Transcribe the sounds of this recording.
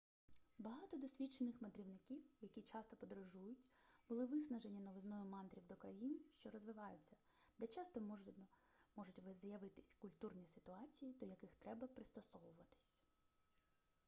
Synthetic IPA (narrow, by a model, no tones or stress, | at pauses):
bɐɦɑt̪ɔd̪ɔsʲʋʲit͡ʃenɪxmɐd̪ɾʲiwnɪkʲiwjɐkʲit͡ʃɑst̪ɔpɔd̪ɾɔʒujʊtʲbʊlˠɪʋɪsnɐʒe̞nʲːinɔʋɪznɔjʊmɑnt̪ɾʲiwd̪ɔkɾɐjinʃt͡ʃɔɾɔzʋɪʋɑjʊt͡sʲːɐ | d̪ɛt͡ʃɑst̪ɔ | mɔʒʊtʲʋɪzɐjɐʋɪt̪ɪ̥sʲkʊlʲt̪urnʲisɪ̥t̪ʊɑt͡sʲijid̪ɔjɐkɪxt̪ɾɛbɐpɾɪst̪ɔsɔʋʊʋɐt̪ɪ̥sʲ